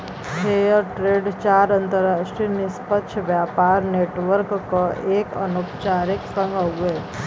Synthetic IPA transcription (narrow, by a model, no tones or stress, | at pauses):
ɦeːjəɾʈɾeːɖt͡ʃaːɾə̃nt̪əɾaːʃʈɾinɪspət̪ːʃʰʋjaːpaːɾneːʈʋəɾkːoʔeːkə̰nokt͡ʃaːɾɪksə̃ŋɡəɦue